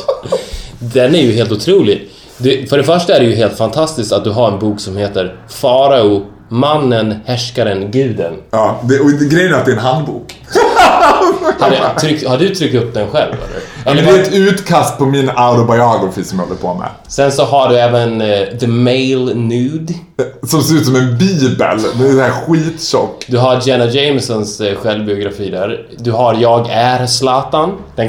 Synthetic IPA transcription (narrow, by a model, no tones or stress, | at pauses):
d̪ɛnæɾjɵɦeːlt̪ʊt̪ʰɾuːlɪɡ | d̪ɵfœɖɛfœʂʈaæɖɛjɵɦeːlt̪fant̪ʰast̪ɪskt̪at̪̚d̪ɵɦaɾɛnbuːksɔmheːt̪əɾfɑːɾaʊ | manːənhɛʂkaɾənɡʉ̟ːd̪ə̰nɑd̪ɛɔɡɾɛjənæɾat̪̚d̪ɛɛnɦand̪bṵːk | haɖt̪ʰɾʏkt̪haɖɵt̪ʰɾʏk̚t̪ɵp̚ːd̪ɛnɧɛlvɛ̰lːə̰ɾlːd̪ɛɛt̪ʉ̟ːt̪kʰast̪̚pʰɔmɪnaʊɾɔbajɑːɡʊfɪsɔmjhɔləpʰɔmɛ̰ | sɛnsɔɦaɖɵɛːvənðəmejlnʉːd̪sɔmseɾʉːt̪sɔmɛnbiːbə̰lmɛnɛhæːɾɧiːt̪ɕɔkːd̪ɵɦaɾd͡ʒɛnad͡ʒɛɪmsɔnsɧɛlvbɪʊɡɾafiːd̪æɾ | d̪ɵɦaɾjɑːɡæɾslɑːt̪and̪̥ɛn